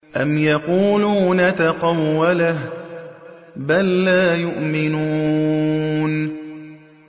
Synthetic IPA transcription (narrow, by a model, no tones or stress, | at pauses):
ʔamjɑquːluːnat̪ɑqɑwːalah | balːaːjʊʔmɪnuː | n